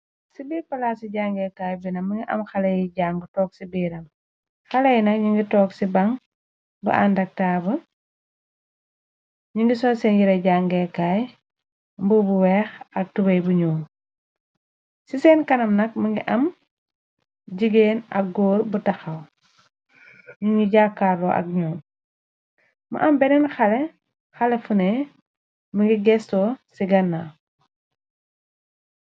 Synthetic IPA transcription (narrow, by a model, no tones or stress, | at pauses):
sibiːɾpɐlaːsiɟaːŋɡɛkaːjbinɐmɐŋɡiʔɐ̰mxɐlɐjɟaːŋɡətɔːk̚sibiːɾɐm | xɐlɐjnɐkɲiŋɡitɔːksibɐŋ | bṵʔa̰ndɐk̚taːbə | ɲiŋɡisɔːsɛnjiɾɐɟaŋɡɛkaːj | mbubuwɛːxɐk̚tubɐjbuɲɔːŋ | sisɛːnkɐnɐmnɐk̚mɐŋɡiʔɐm | ɟiɡeːnɐ̰k̚ɡɔːɾbutɐxɐw | ɲuŋɡiɟakːaɾɔ̰ːʔɐ̰k̚ɲɔː | mɐ̰ʔɐmbɛnɛnxɐlɛ | xɐlɛfunɛ | məŋɡiɡɛstɔːsiɡɐnːa